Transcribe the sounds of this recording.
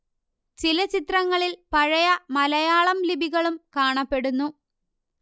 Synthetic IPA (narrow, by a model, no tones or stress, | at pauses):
t͡ɕilɐt͡ɕit̪rɐŋːɐɭilpɐɻɐjɐmɐlɐjaːɭɐmlibʱiɣɐɭumkaːɳɐpːe̞ɽunːu